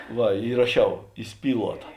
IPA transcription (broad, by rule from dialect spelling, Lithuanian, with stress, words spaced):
ˈʋɐ iːrɐˈʃʲɛʊ iːˈsʲpʲiːlˠuɔtɐ